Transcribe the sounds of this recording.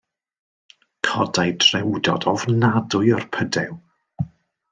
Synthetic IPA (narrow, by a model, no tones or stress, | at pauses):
kʰɔdajdrɛwdɔ̰dɔvnadʊɨərpʰədɛw